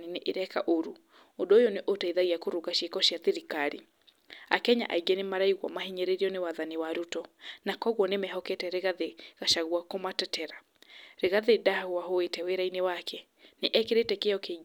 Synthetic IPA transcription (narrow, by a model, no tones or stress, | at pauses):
nineʔeɾɛkaʔoɾu | odoojɔneʔotaiðaɣiakoɾuɣaʃekɔʃiaθeɾikaɾi | a̰kɛɲa̰ʔaiɡɛnemaɾaiɣwa̰mahiɲɛɾeɾiɔnewaðaniwaɾutɔnakɔɣwɔnemɛhɔkɛtɛɾeɣaðeɣaʃaɣwakomatɛtɛɾa | ɾeɣaðedaaɣoaɦoetɛweɾainewakʰɛ | neʔɛkeɾetɛkeɔke